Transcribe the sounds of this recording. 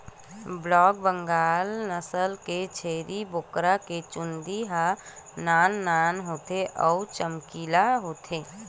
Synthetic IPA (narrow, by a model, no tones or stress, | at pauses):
blɔːɡ̚bə̃ŋɡaːlnəsəlket͡ʃʰeːɾibokɾaket͡ʃʊ̃nd̪iɦanaːnːaːnɦoːt̪eʔɔːt͡ʃəmkiːlaɦoːt̪ʰeː